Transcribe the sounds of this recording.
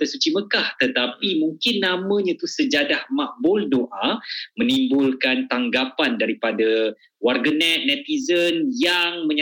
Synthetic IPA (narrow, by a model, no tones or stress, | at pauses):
əsut͡ʃiməkaht̪ət̪apimuŋkɪnːamə̃ɲãt̪usəd͡ʒadahmaʔbʊldoʔamə̃nimbʊlkant̪aŋɡapandaɾipada | warɡənɛt̪̚nɛt̪izənjaŋmə̃ɲ